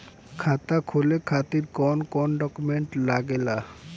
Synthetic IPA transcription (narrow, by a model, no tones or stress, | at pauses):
kʰat̪akʰolekʰat̪iɾkɔnkɔnɖɔkumeɳʈlaɡela